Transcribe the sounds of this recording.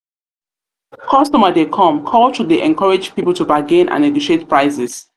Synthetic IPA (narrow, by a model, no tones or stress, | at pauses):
kʰɔstɔmədekʰɔ̃mkʰɔltʰudeʔɛ̃nkʰɔɹɪd͡ʒpipəl̩ˠtubaɡẽnʔã̰nːeɡoʃetpɹaɪsɛs